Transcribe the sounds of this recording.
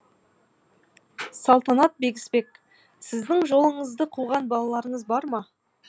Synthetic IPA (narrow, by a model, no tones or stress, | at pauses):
sɑlˠt̪ɑnɑt̪̚be̞ɡʲɪ̥sbe̞k̚ | sɪzd̪ɪŋʒo̞lˠəɴəzd̪əqʰuʁɑnbɑlˠɑlˠɑɾəɴəzbɑɾmɑ